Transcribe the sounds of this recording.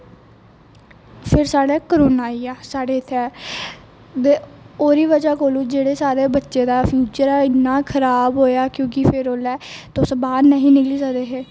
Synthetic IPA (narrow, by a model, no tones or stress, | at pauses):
pʰɪɾsaːɽɛːkəɾoːnaːiːaːsaːɽeːɪt̪ʰːeɛː | d̪eːoːɾiːʋəd͡ʒaːkoːlũːd͡ʒeːɽeːsaːɾeːbətːʃeːd̪aːpʰjuːt͡ʃəɾɛːɪnːaːkʰəɾaːbɦoːjaːkjõːkɪpʰɪɾoːlɛːt̪osəbaːdnəɦĩːnɪkliːsəkd̪eːɦeː